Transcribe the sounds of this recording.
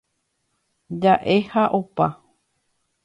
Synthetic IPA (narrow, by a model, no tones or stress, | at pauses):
d͡ʒaʔehaʔopa